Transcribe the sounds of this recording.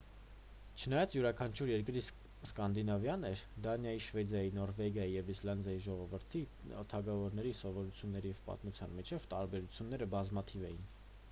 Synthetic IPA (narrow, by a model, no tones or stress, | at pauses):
t͡ʃʰənɑjɑt͡sjuɾɑkʰɑnt͡ʃʰuɾjɛɾkɾi | skɑnd̪inɑvjɑnɛɾd̪ɑnjɑjiʃvɛd̪jɑjinɔɾvɛɡjɑjijɛvislɑnd̪jɑjiʒɔʁɔvəɾt̪ʰi | t̪ʰɑɡɑvɔɾnɛɾisɔvɔɾut͡sʰjunːɛɾijɛvpɑ̰t̪mut͡sʰjɑ̰nmit͡ʃʰɛvt̪ɑɾbɛɾut͡sʰjunːɛɾəbɑzmɑt̪ʰivɛjin